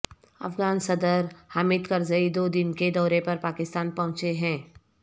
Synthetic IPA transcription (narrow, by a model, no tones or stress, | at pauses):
ɐ̰fɡaːnsɐd̪əɾhaːmɪd̪kɐɾzəid̪oːd̪ɪnked̪ɔːɾepɐɾpaːkɪst̪aːnpɐɦʊ̃t͡ʃeɦɛ̃ː